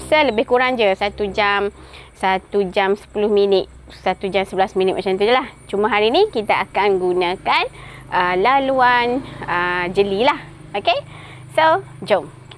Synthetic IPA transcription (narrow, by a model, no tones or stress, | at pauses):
sələbɪhkuɾaŋd͡ʒəsat̪ud͡ʒam | sat̪ud͡ʒamsə̥pulʊhmĩnɪt̪̚ | sat̪ud͡ʒamsəbəlasminit̪̚mat͡ʃamt̪ud͡ʒəlaht͡ʃumãɦaɾinikit̪aʔakanɡunãkanʔəlaluanəd͡ʒəlilah | oke | so | d͡ʒom